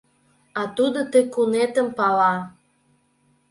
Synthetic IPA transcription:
ɑt̪ud̪ot̪əkunet̪əmpɑlɑ

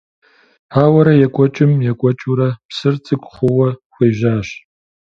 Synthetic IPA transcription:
aːwɐɾɐjɛkʷʼɔt͡ʃʼɪmjɛkʷʼɔt͡ʃʼuɾɐpsɨrt͡sʼɨkʷʼχʷʊwɐxʷeːʒaːɕ

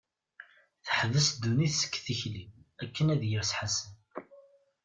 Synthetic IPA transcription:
θəħəðəsd̪ːuniθsə̥kːθiçliækːənæðjəɾsħasən

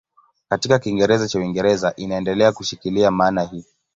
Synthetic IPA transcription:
katikakiŋɡɛɾɛzat͡ʃawiŋɡɛɾɛzaʔinaɛndɛlɛakuʃikiliamaːnahiː

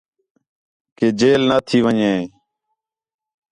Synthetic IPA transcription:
keːd͡ʒeːlnaːt̪ʰiːʋəɲẽː

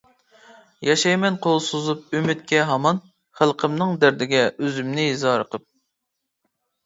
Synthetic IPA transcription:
jɑʃɑjmɛnqʰolˠsozup̚ymyt̪̚kʲʰɛɦɑmɑn | χælˠqʰəmnɨŋd̪æɾd̪ɪɡʲɛøzymnɪizɑːɾəqʰəp̚

